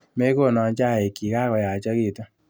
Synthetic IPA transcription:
me˦ko˦˨nɔ˧˨˦d͡ʒa˦˨e˨ki˨ka˦kɔ˨ja˨t͡ʃa˦ɣi˦˨tɔ˦

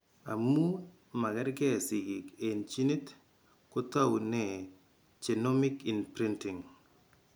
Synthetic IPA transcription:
a̰˨mu˦ | ma˨kɛ˦ɾɡɛ˦˨sɪ˨ɡi˨ke˨nt͡ʃi˦ni˦t | ko˦ta˦wu˨nɛ˦˨ | t͡ʃe˨no˦mɪ˦ki˨npɾi˦ntɪ˨ŋ

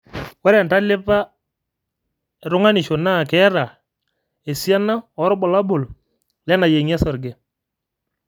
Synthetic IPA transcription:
wa˦ɾɛ˨nta˦lɪ˦pa˦˨ | ɾʊ˦ŋa˦nɪ˨ʃo˨na˦˨kɛ˦ɾa˨ | e˨sja˦na˦ɔ˨˦ɾɔ˦bɔ˨la˦bʊ˨l | lɛ˦na˨je˨ŋa˦sɔ˨ɾɡe˨

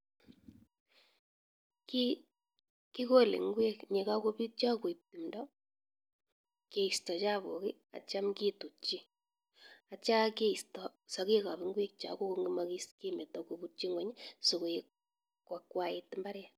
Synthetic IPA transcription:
ki | ki˦ko˦lḛ˨ŋɡwe˦kɲe˨ka˦ko˦pi˦t̚t͡ʃa˦kwi˨p̚ti˨mdɔ˦ | ke˨i˨stɔ˨t͡ʃa˦βo̰˨ki˦ | a̰˨t͡ʃa˦mki˦tu˨t͡ʃi˦ | a˨t͡ʃa˦ke˦i˨stɔ˨sɔ˨ki˦ka˨bi˨ŋɡwe˦k̚t͡ʃa̰˨ko˦ko˦ŋɡi˦maki˦ski˦me˨tɔ˨ku˨bu˦t͡ʃi˦ŋwɛ˨ɲso˨ko˨ek | kːwa˨kwa˦i˦tmba˦ɾja˨

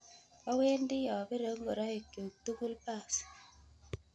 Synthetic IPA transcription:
ɔ˦we˦ndɪ˦jɔ˨bɪ˦ɾə˨˦ŋ˦ɡo˨ɾɔ˦e˨kjo˨tu˦ku˦lpa˦˨s

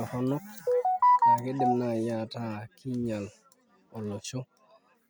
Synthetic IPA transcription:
hɔ˦nɔ˦kkːa˨ke˦de˨mnajata˦kʰi˦ɲa˨l | ɔ˨lɔ˨t͡ʃo˦

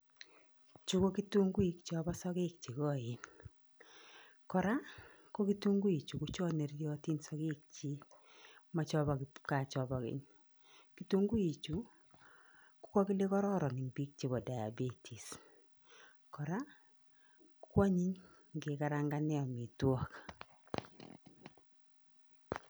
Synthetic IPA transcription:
t͡ʃu˦ko˦ki˦tu˦ŋɡu˦i˨kt͡ʃɔ˦ba˦sɔ˦kɪ˦k̚t͡ʃi˨kɔ˦˨ɪ˨n | kɔ˨ɾa˦ | ko˦ki˦tu˦ŋɡu˦i˨t͡ʃu˨kʊ˦t͡ʃɔ˦ne˨ɾjɔ˦ti˦nsɔ˦kɪ˦k̚t͡ʃi˦ | ma˨t͡ʃɔ˦ba˨kɪka˨t͡ʃɔ˨bɔ˦kɪ̰˦ɲ | ki˦tu˦ŋɡu˦i˨t͡ʃu˦ | kʊ̥˦kɔ˦kɪ˦lɪ˦kɔ˦ɾɔ˦ɾɔ˨nɪ˨ŋbi˦k̚t͡ʃe˦bɔ˨da˨ja̰˨bi˦tʰi˨s | kɔ˨ɾa˦ | kkwa˦ɲi˦ɲ | ɡɪ˨ka˦ɾa˦ŋɡa˦nɛ˦ɔ˨mɪ˨twɔ˦k

